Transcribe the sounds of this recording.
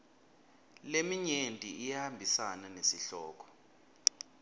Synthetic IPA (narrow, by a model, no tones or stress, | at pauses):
lemiɲentʼiijahambʱisananesiɬɔːk̬ʰɔ̥